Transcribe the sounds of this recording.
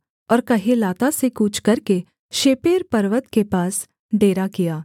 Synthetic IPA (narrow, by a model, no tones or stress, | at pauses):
ɔːɾkɐɦelaːt̪asekuːt͡ʃʰkɐɾke | ʃeːpeːɾpɐɾʋət̪kepaːs | ɖeːɾakijaː